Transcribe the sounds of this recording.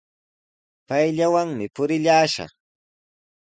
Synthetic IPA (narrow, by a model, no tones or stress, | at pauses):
pajʎawaŋmɪpʊɾɪʎaːʃɑ̰χ